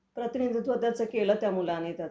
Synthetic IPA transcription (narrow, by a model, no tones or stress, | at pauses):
pɾət̪inid̪ʱit̪ʋəd̪at͡səkeləːt̪jamulanet̪ja